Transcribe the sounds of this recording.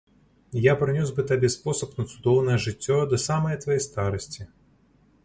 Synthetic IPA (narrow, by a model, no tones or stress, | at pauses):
japɾɨnʲɔzʲbɨt̪abʲɛspɔsɐpnɐt̪sud̪ɔwnɐjɛʐɨtʲːɔd̪ɐsamɐjɐt̪vɐjɛjst̪aɾɐsʲt͡sʲi